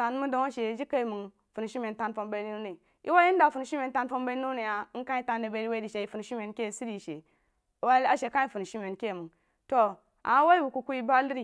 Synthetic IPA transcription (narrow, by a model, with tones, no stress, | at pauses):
ta˨n˦mu˦do˨ŋa˦ʃe˨d͡ʒi˦ka˦i˨mu˨ŋ | fu˨n˨ʃi˦me˨nta˨nfo˨mba˦nu˦ne˨ | ʔi˦wa˦i˦n˦da˨fu˨n˨˦ʃi˦mʲe˨n˦ta˦n˦fo˦mba˦nu˦ne˨ja˨˦n̩˦ka˦i˦ta˦n˦de˨be˨˦ɾi˦wa˦di˨ʃe˨i˨fu˨n˨ʃi˦me˨nke˦˨si˦ɾi˦˨ʃe˨ | wa˦a˦ʃe˨ka˦i˨fu˨n˨ʃi˦me˨nke˦˨mu˨ŋ | to˦ | a̰˨ma˦wa˦i˦bu˨ku˨ku˦ji˦ba˦li˦ɾi˨